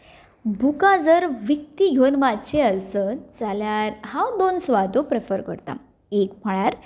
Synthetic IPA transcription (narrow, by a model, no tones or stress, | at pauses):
bʱukad͡zəɾʋik̚t̪iɡʱewnʋatt͡ɕeəlsət͡saljaɾɦãwd̪onsʋad̪ʱopɾefəɾkə̰ɾt̪a̰ | ekm̤aɭjaɾ